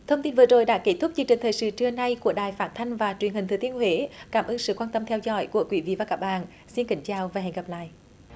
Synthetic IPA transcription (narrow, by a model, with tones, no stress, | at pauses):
t̪ʰə˧wŋ͡mt̪i˧nvɨ˨˩əzo˨˩jɗa̰ː˧˥ke˧˥t̪ʰʊ˦˥k͡p̚t͡ɕi˧əŋt͡ɕï˨˩ŋ̟t̪əː˨˩jsɨ̰˧˥t͡ɕɨ˧əna˧jku˧˩əɗaː˨˩jfaː˦˥n̚t̪ʰa˧jŋ̟vaː˨˩t͡ɕwənhï˨˩ŋʰɨ˨˩t̪i˧ənhwe˧˦kaː˧˦˩mʔɨː˧nsɨ̰˧˨kwaː˧nt̪ə˧mt̪ʰɛ˧wzɔ̰˧˥jku˧˩əkwḭ˧˦vḭ˧˨vaː˨˩kaː˦˥k̚ɓa̰ː˧˨n | si˧nkï˧˦ŋ̟t͡ɕaː˨˩wvaː˨˩ɦɛ̰˨ŋ̟ɣə˨˩p̚la̰ː˧˨jʔ